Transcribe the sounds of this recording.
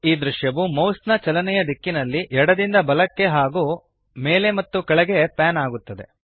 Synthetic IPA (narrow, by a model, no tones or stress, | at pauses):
iːd̪ɾuʃjɐʋumɐwsnɐt͡ʃɐlɐnɛjɐd̪ikːinɐlːiʔɛɽɐd̪ind̪ɐbɐlɐkːe̞ɦaːɡuː | meːle̞mɐt̪ːukɐɭɐɡe̞paːnaːɡut̪ːɐd̪e̞̰